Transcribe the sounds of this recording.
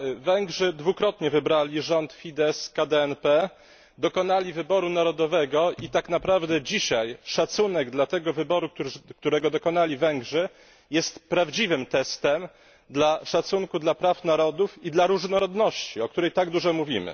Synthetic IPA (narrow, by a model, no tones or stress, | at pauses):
vɛŋɡʐɘd̪vukɾɔt̪ɲɛvɘbɾalʲiʐɔnt̪fʲid̪ɛskad̪ɛɛnpɛ | d̪ɔkɔnalʲivɘbɔɾunaɾɔd̪ɔvɛɡɔʔit̪aknapɾavd̪ɛd͡ʑiɕajʂat̪sunɛɡd̪lat̪ɛɡɔvɘbɔɾuktk̚t̪uɾɛɡɔd̪ɔkɔnalʲivɛŋɡʐɛ | jɛst̪pɾavd͡ʑivɘmt̪ɛst̪ɛm | d̪laʂat̪suŋkud̪lapɾafnaɾɔd̪ufid̪laɾuʐnɔɾɔd̪nɔɕt͡ɕiɔkt̪uɾɛjt̪aɡd̪uʐɔmuvʲimɘ̰